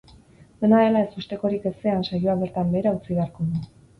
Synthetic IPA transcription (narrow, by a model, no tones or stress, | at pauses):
d̪e̞naðe̞lae̞sust̪e̞ko̞ɾike̞se̞ansajoaβe̞ɾt̪ambe̞ːɾaut͡siβe̞aɾko̞ðu